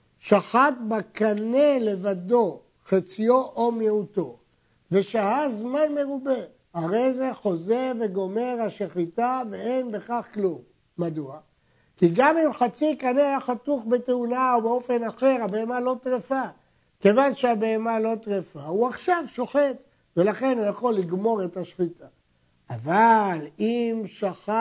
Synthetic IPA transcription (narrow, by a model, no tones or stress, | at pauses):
ʃaχat̪̚bakane̞le̞vad̪o̞ | χat͡sijo̞ʔomjeut̪o̞ | ve̞ʃahazmanme̞ʁube̞ | haʁe̞jze̞χo̞ze̞ʁve̞ɡo̞me̞ʁhaʃeχitave̞enbe̞χaχklumː | ad̪ua | kiɡamimχat͡sikaneaχat̪uχbet̪eunaobeo̞fe̞naχe̞ʁhabeemalo̞tʁefa | ke̞vanʃeabe̞emalo̞t̪ʁefauaχʃavʃo̞χe̞t̪ | ve̞laχe̞nhujaχo̞lːiɡmo̞ʁe̞t̪aʃχit̪ʰaː | valimʃaχa